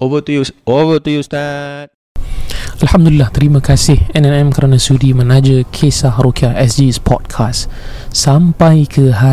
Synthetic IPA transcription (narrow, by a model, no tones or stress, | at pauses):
ovət̪ujuovət̪ujust̪at̪̚ | alhamd̪ulilːaht̪əɾimãkasɪhɛnɛnɛmkəɾanãsudimə̃nãd͡ʒəkʰesahɾokiaʔɛsdispʰɔ̰d̚kʰas | sampajkʰəɦa